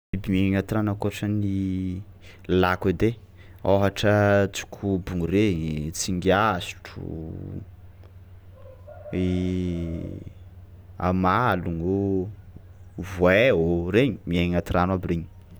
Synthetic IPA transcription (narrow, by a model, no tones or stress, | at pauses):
ibimieŋat̪iɾanakoaʈ͡ʂəni | laked̪e | oɦaʈ͡ʂət͡su̥kʲʰubuŋuɾet͡siŋɡasi̥ʈ͡ʂṵ | e | a̰maluŋo | vwɛeɦoɾeɲimieŋat̪iɾanabiɾeɲi̥